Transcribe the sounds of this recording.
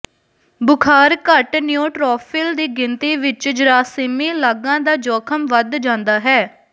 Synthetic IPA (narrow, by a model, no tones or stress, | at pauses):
bʊkʰaːɾkəʈnjõːʈɾɔːpʰɪld̪iːɡɪnt̪iːʋɪt͡ʃd͡ʒɾaːsɪmiːlaːɡãːd̪aːd͡ʒɔːkʰəmʋəd̪d͡ʒãːnd̪aːɦɛː